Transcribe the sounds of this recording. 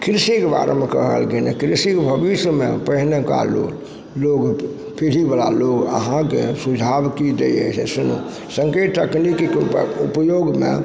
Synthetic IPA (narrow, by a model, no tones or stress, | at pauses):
kɾisikeba̰ɾḛmẽkəɦə̰lkenḛkɾisikebʱəbisəmḛ̃pəɦneka̰lo̰l | loːɡ | pʰiɾibala̰loːɡə̰ɦãkesud͡ʒʱabkid̪ḛjḛt͡ʃḛsʊnṵ | sə̃ŋkeʈt̪əknikkupjoɡmḛ̃